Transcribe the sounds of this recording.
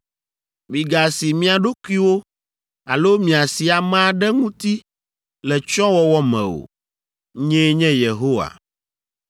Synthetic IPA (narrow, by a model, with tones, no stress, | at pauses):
mĩ˨ɡa˨si˨mĩ˦a˨ɖo˦ku˦i˦wo˦ | a˨lo˦mĩ˨a˨si˨a˨mã˦ɖɛ˦ŋũ˦t̪i˦ | lɛ˨t͡ʃɔ̃˦wɔ˦wɔ˦mɛ̰̃˨o̰˨ | ɲɛ̃˦ɲɛ̃˦je˨ɦo˦wa̰˨